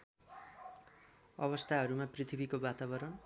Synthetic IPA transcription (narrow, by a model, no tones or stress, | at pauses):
ʌβʌst̪ʰaɦʌɾumaprit̪ʰibʱikobat̪abʌɾʌn